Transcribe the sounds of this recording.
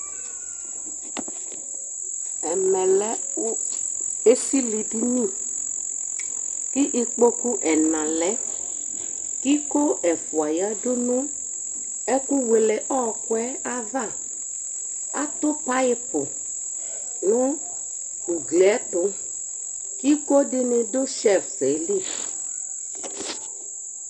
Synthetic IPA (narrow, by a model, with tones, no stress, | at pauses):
ɛ˨mɛ̃˨lɛ˦ | e˦si˦li˨di˦nĩ˦ | kɪ˦ʔi˨k͡po˦ku˦ʔɛ˨nã˨lɛ˨˦ | kɪ˦ko˦ɛ˨fʊ˨a˨ja˦dʊ˦nũ˦ | ɛ˦ku˦we˨lɛ˨ʔɔ˦˨kwɛ˦a˦ða˦˨ | a̰˦t̪ʊ˦pa˦jɪ˦pʊ˨ | ŋʊ̃˦ | u˨ɡlɛ˦tʊ˨ | ki˦ko˦dɪ˦nɪ̃˨dʊ˦ʃɛ˦˨fe˨˦li˦˨